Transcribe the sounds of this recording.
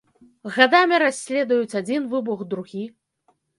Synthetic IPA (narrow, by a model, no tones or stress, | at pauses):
ɣad̪amʲiɾasʲːlʲɛd̪ujut͡sʲad͡zʲinvɨbuɣd̪ɾuɣʲi